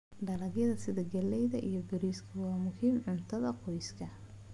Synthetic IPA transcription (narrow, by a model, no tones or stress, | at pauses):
ɖɐlɐɣjɐðɐsɪðɐɡɐlːɛjðɐʔijɞbɪɾiːskʰɐwɑːmʊhiːmʕʊnt̪ʰɐðɐqɔjskʰɐ